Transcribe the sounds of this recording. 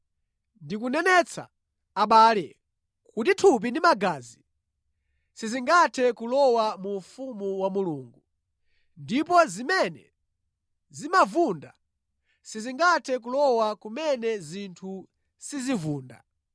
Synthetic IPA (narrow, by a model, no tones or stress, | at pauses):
ndikunɛnɛt͡sʰa̰ː | ɓaːlɛ | kutitʰup̬indimaɡaːzi | siziŋɡatʰɛkulɔwamufumuwamuluːŋɡu | ndip̬ɔzimɛnɛ̰ | zimavunda | siziŋɡatʰɛk̬ulɔwakumɛnɛzintʰu | sizivuːnda̰